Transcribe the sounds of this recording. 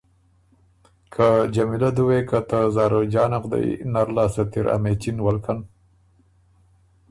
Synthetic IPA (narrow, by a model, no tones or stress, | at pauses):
kʰad͡ʒamilad̪uwekat̪azaːɾod͡ʒɑːnaqd̪a̰j̰naɾlaːsɐt̪iɾa̰met͡ʃinwalkʰan